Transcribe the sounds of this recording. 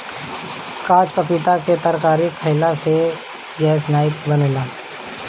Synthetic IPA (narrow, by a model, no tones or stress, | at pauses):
kaːt͡ʃpəpɪt̪aket̪ɐɾkaːɾikʰɐɪlase | ɡɛːsnaːjɪk̪bɐneːlaː